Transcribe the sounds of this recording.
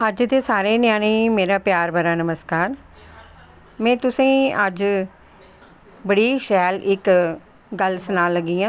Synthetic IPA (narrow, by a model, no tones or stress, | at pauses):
əd͡ʒd̪eːsaːɾeːnɪjaːniːmeːɾaːpjaːɾbəɾaːnəməskaːɾ | mɛ̃ːt̪ʊsĩːəd͡ʒ | bəɽiːʃɛːlɪk | ɡəlsənaːlːəɡːiːãː